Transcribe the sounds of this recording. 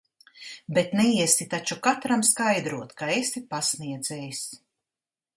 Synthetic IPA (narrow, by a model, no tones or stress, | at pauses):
bet̪nɛiɛsit̪at͡ʃukat̪ɾamskajd̪ɾuɔt̪kaesipasniɛd̪zɛːjs